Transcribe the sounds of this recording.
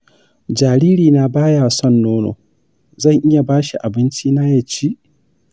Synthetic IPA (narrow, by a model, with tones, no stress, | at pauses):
d͡ʒaː˨ɾiː˦ɾiː˨na˨baː˦jaː˨sɔ˦˨nːoː˦no̰ː˨ | zɐ˦˨ŋʔɪ˦ja˨baː˦ʃi˨ʔa˨bɪ˦nt͡ʃiː˦na˦jɛ˨t͡ʃi˦ʔ